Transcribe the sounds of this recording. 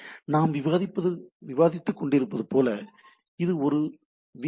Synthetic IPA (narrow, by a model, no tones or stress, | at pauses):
naːmʋɪʋaːðɪpːɐðɯʋɪʋaːðɪt̪ːɯkːɔɳɖɪɾɯpːɐðɯpoːlɐ | ɪðɯɔɾɯ | ʋɪ